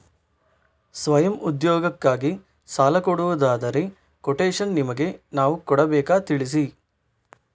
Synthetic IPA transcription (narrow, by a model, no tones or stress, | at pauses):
sʋɐjɐmud̪jɔːɡɐkːaːɡi | saːlɐkɔɽuʋɐd̪aːd̪ɐɾe | koʈeːʂɐnːimɐɡe̞naːʋukɔɽɐbɛːkaːt̪iɭis̬i